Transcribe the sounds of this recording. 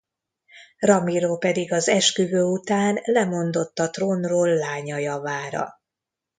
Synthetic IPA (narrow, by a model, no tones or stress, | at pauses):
rɒmiɾoːpɛd̪iɡɒzɛʃkyvøːut̪aːnlɛmo̞nd̪o̞t̪ːɒt̪roːnroːlːaːɲɒjɒvaːɾɒ̰